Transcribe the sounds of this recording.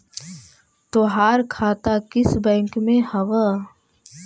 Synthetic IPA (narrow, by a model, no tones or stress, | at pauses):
t̪oːɦaːɾkʰaːt̪akɪsbɛ̃ːŋkmẽhɐʋə